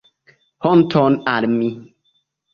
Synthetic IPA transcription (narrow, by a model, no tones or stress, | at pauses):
hɔn̩tʰɔnaɾm̩mi